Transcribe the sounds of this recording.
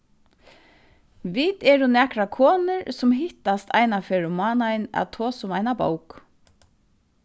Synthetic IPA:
ʋiːt̪ɛɾʊnɛːkɾakʰɔːnʏɾsʊmɦɪht̪ast̪a̰jnafɛːɾʊmːaːnajɪna̰ðt̪ʰɔːsʊmajnabo̰wk

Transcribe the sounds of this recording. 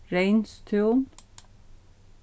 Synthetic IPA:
ɾeɪnst̪ʰʉːn

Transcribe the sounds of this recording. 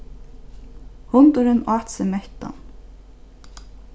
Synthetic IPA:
hʊnt̪ʊɾənaːt̪səmɛht̪a̰n

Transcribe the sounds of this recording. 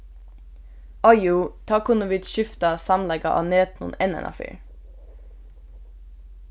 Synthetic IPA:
ʔɑɪut̪ʰɑːkʰʊnʊʋɪt̪ʃʏft̪ɑsɑmlɛɡɑʔɑ̰ːneːt̪nʊ̰nɛnɛ̰nɑ̰fḭɹ

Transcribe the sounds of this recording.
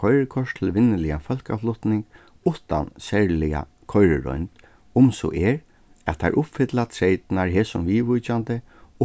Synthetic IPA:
kʰɔjɾəkʰɔʂt̪ʰɪlʋɪnːəlɪafœlka̰flʊht̪nɪŋk | ʊht̪a̰nsɛɹlɪa̰ | kʰɔjɾə̰ɹɔ̰nt̪ | ʊmsɔ̰ʔɛɹ | æt̪ʰːa̰ʔʊpfɪt̪lat̪ʰɾejt̪ɪnaɹɦeːsʊmʋiːʋʊjt͡ɕant̪ə | ʊ

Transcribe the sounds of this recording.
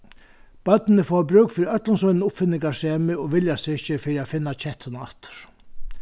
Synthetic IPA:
b̥œt̪nnəfɔːɾbɾøːkfiːɾiœt̪lʊnsʊnnʊpfɪnːɪŋkaseːmɪɔʋɪljasɪɪɕːəfiːɾiaːfɪnːat͡ɕʰɛht̪ʰʊnɑ̰ht̪ə̥ɾ̥

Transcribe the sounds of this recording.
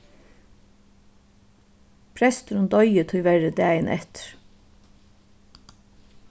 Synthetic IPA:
pʰɾɛst̪ɾʊnd̪ɔʏət̪ʰʊjʋæɹəd̪æːjənʔɛ̰t̪ə̥ɾ̥

